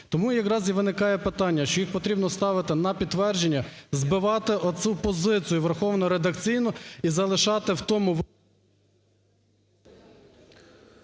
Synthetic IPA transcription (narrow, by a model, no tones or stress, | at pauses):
t̪ɔmujɐkrɑzʲiʋɪnɪkɑjɛpɪt̪ɑnʲːɐʃt͡ʃɔjixpɔt̪ɾʲibnɔst̪ɑʋɪt̪ɪnɐpʲid̪t̪ːʋɛrd͡ʒenʲːɐzbɪʋɑt̪ɪʔɔt͡s̪ʲupɔzɪt͡sʲijʊʋerxɔwnɔɾed̪ɐkt͡sʲijnʊizɐlˠɪʃɑt̪ɪwt̪ɔmʊʋ